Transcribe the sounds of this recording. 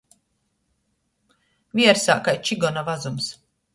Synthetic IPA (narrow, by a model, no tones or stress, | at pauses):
viɛɾsa̰ːkajt͡ʃiɡɔnavazums